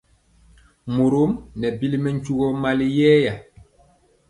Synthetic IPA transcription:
mo˨ɾo˦mnɛ˨bi˦li˦mɛ˦ɲ˦t͡ʃu˦ɡɔ˦ma˦li˦jɛ˦ja˨

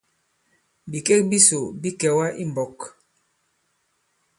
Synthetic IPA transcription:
bi˨ke˦k̚bi˦so˨bi˦kɛ˨wa˦ʔi˦m˨bɔ˨k

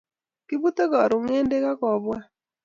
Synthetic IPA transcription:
kɪ˦bu˦t̪o˦ɡa˨ɾʊ˨ŋe˦nde˦ka˦kɔ˨bwa˦

